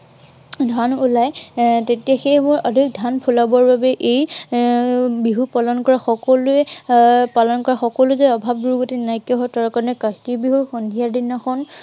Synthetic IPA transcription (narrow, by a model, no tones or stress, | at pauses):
dʱanulajtetijaxejmʊɹɔdʱik̚dʱanpʰulabɔɹbabɛʔej | biɦupɔlɔnkɔɹaxɔkɔlʊɛpalɔnkɔɹaxɔkɔlʊɛzɔɔbʱab̚ɡuɹɡotinajkɔɦɔtɔɹkaɹɔnɛkakibiɦuɹxɔndʱijadinaxɔn